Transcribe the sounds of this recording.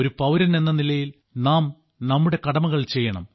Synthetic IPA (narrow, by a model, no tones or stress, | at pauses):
oɾupɐʋɾɐne̞nːɐnilɐjil | naːm | nɐmːuɽe̞kɐɽɐmɐɣɐɭt͡ɕe̞jːɐɳɐ̰m